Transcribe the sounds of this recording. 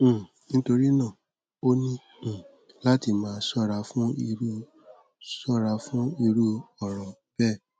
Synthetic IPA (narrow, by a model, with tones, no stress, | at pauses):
nĩ˦to˧ɾi˦nãː˦˨ | o˦nĩ˦˨ | la˦ti˧˨mãː˨˦sɔ˦˨ɾa˧˦fũ˦i˧ɾu˦ | sɔ˦ɾa˧˦fũ˦i˧ɾu˦ɔ˦˨ɾɔ̃˨b̥ɛ˦˨